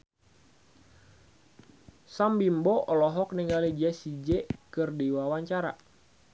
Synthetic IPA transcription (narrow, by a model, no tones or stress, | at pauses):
sambimbɔʔɔlɔɦɔk̚niŋɡalid͡ʒɛsid͡ʒɛkɨrdiwawaɲt͡ʃaɾa̰